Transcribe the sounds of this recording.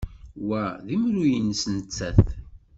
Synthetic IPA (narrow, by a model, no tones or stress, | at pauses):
wæðimɾujənsnt͡sːæθ